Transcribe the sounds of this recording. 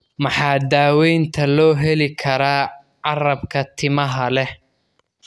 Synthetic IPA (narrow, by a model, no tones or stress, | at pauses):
mɑħɑːd̪aːwɛjnt̪ʰɐlɔːɦɛlɪkʰɐɾaː | ʕɑrɐbkʰɐt̪ʰɪmɐɦɐlɛ